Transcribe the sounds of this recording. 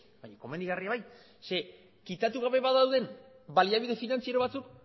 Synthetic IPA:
bajɲako̞me̞nd̪iɣariaβaj | se̞ | kit̪at̪uɣ̞aβe̞βaðawðe̞m | baliaβiðe̞finant͡siaɾo̞β̞at͡suk

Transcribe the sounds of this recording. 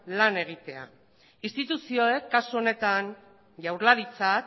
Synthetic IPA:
lane̞ɣ̞it̪e̞a̰ | ist̪it̪usio̞e̞kːasuo̞ne̞t̪an | ʝawɾlaɾit͡sak

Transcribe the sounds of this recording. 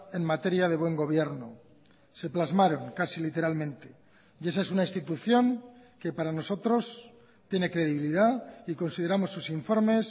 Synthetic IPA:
e̞nmat̪e̞ɾjað̞e̞βwe̞ŋɡo̞β̞je̞ɾno | se̞plazmaɾo̞ŋkasilit̪e̞ɾalmẽ̞nt̪e̞ | je̞sae̞sunaĩnst̪it̪uθjo̞ŋke̞paɾano̞so̞t̪ɾo̞s | t̪je̞ne̞kɾe̞ðiβiliðaiko̞nsiðe̞ɾamo̞sːusiɱfo̞ɾme̞s

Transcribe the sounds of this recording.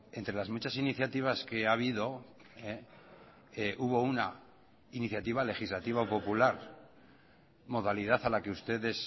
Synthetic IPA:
e̞nt̪ɾe̞lazmut͡ʃasiniθjat̪iβ̞aske̞aβ̞iðo̞ | e | eʔuβo̞una | iniθjat̪iβ̞ale̞xizlat̪iβ̞aopo̞pulaɾ | mo̞ð̞aliðaθalake̞ust̪e̞ðe̞s

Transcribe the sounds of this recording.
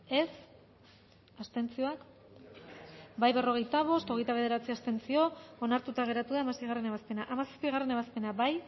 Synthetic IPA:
e̞s | ast̪e̞nt͡sio̞ak | bajβe̞ro̞ɣ̞ejt̪aβ̞o̞st̪o̞ɣ̞e̞jt̪aβe̞ð̞e̞ɾat͡siast̪e̞nt͡sio̞onaɾt̪ut̪aɣ̞e̞ɾat̪uðaːmasejɣ̞are̞neβaspe̞naʔamasḁspiɣ̞are̞ne̞βaspe̞nabaj

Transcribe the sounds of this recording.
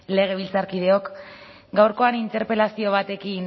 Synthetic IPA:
le̞ɣ̞e̞β̞ilt͡saɾkið̞e̞o̞k | ɡawɾko̞anint̪e̞ɾpe̞lasio̞β̞at̪e̞kin

